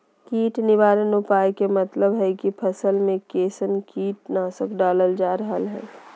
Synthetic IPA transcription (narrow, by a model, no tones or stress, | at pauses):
kiːʈnɪʋaːɾənopaːjkemɐt̪ləbɦɛkipʰəsəlmẽkeːsənkiːʈnaːsəkɖaːləld͡ʒaːɾəɦəlɦɛ̰̃ː